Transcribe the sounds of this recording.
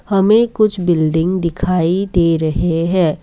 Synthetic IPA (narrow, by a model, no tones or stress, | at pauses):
hɐmẽkʊt͡ʃʰbɪlɖɪ̃ŋɡd̪ɪkʰaːid̪eːɾɐɦeɦɛ̃ː